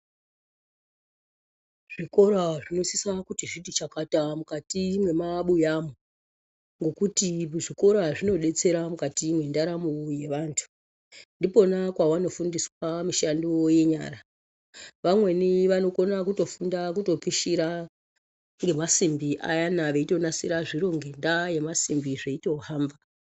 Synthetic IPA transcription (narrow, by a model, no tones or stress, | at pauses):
ʐ̥iko̞ɾaʐino̞sisakutiʐiɗit͡ʃakatamukatimwe̞maɓujamo | ŋɡo̞kutiʐiko̞ɾaʐino̞ɗe̞t͡se̞ɾamukatimwe̞ndaɾamuje̞ʋaːntʰu̥ | ndipo̞nakwawano̞fundiswamiʃandiwoje̞ɲa̰ːɾa | ʋamwe̞niʋano̞ko̞nakuto̞fundakuto̞piʃiɾa | ŋɡe̞masimbiʔa̰janaʋeito̞nasiɾaʐiɾo̞ŋɡe̞ndaje̞masimbiʐeito̞haːmba